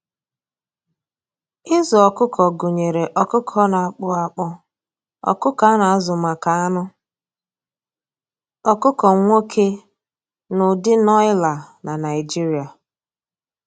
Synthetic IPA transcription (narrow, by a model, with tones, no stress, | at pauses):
ɪ˦zɔ˨ɔ˨kʊ˦kʰɔ˨ɡʊ˨ɲe˨ɾe˨ʔɔ˨kʊ˦kʰɔ˦na˨a˨k͡pʊ˦a˦k͡pɔ˦ | ɔ̰˨kʊ˦ka˨a˦na˨a˦zʊ˨ma˨ka˨a˦nʊ˦ | ɔ˨kʊ˦kɔ˨ŋʷo˦kʰe˦ | nʊ˨dɪ˦nɔ˦ɪ˦la˨na˨na˨ɪ˨d͡ʒi˦ɾi˨a˨